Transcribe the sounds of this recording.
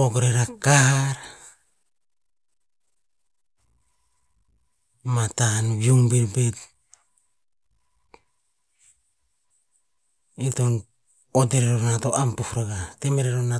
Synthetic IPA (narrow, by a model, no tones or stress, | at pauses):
oɡɾeɾakahaɾ | matanβjuŋbeɾbet | iton | odeɾeɾonatoʔampuhɾaɡatemeɾeɾona